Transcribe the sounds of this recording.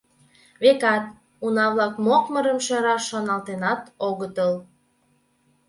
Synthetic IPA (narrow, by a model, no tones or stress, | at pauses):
βekɑt̪̚ | unɑβlɑkmokməɾəmʃɑɾɑʃonɑlt̪enɑt̪oɣət̪əl